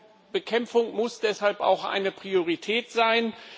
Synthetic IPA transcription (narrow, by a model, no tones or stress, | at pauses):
b̥əkʰɛmfʊŋmʊsd̥ɛshalpa̰ʊxʔa̰ɪnəpʁ̥ioʁitʰɛːtz̥aɪn